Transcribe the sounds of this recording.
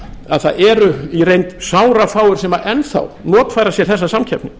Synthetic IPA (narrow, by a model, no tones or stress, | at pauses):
a̰ðθaðɛɾʏirejnt̪saːwɾafaːwʏɾ̥sɛmaʔɛnθa̰wnɔːt̪fajɾasjɛɾ̥θɛsːasamcʰɛpnɪ